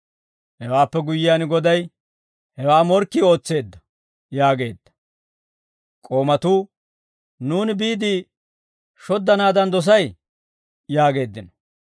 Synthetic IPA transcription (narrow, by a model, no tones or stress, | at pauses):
hɛwaːpːɛɡʊjːɪjaːnɡɔd̪ɐj | hɛwaːmɔɾkːio̞ːt͡sːe̞ːd̪ːɐ̥ | jaːɡe̞ːd̪ːɐ̥ | kʼo̞ːmɐt̪uː | nuːnbiːd̪iː | ʃɔd̪ːɐnaːd̪ɐnd̪ɔs̬ɐj | jaːɡe̞ːd̪ːɪnɔ̥